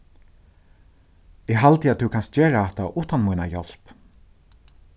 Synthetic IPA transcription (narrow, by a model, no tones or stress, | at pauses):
ɛɡɦalt̪ɪat̪̚ʉkʰanst̪d͡ʒeːɹaɛht̪aʔuːt̪anmujna̰jɔl̥p